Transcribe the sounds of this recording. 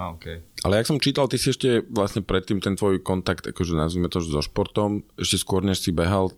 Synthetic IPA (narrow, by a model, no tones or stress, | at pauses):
aokeʔa̰lɛjaksɔmt͡ʃiːt̪alt̪isiɛʃcɛʋlasɲɛpɾɛt̪ːiːmt̪ɛnt̪ʋɔjkɔnt̪akt̪a̰kɔʒɛnazʋiːmɛt̪ɔʒɛzɔʃpɔɾt̪ɔmʔɛʃcɛskʊɔɾɲɛʃsibɛɦal